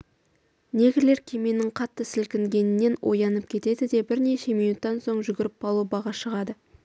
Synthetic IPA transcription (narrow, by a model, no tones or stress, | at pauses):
ne̞ɡʲɪle̞ɾkʲʰeme̞nɪŋqʰɑt̪ːəsɪlkʲɪŋɡʲe̞nɪnːe̞nwʔo̞̰jɑnəp̚kʲʰe̞t̪e̞d̪ɪd̪e̞bɪɾne̞ʃe̞mijnut̪ːɑnso̞ɴʒʏɡʲɪɾɪp̚ːɑlˠubɑʁɑʃəʁɑd̪ə